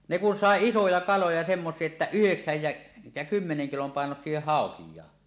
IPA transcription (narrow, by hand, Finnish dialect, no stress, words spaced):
ne kun sɑˑe isojɑ kɑlojɑ semːosˑie etːæ yheksæj jæ jæ kymːeneŋ kilom pɑˑenosie hɑˑokijˑɑː